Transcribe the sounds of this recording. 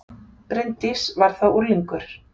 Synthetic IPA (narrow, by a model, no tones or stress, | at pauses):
pɾent̪ɪsvaɾ̥θawʔuɾliŋkʏɾ̥